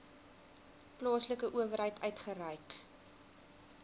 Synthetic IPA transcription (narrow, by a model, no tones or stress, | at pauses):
plɑːsləkəʔuəvəɾɦəjtœɥtχərəjk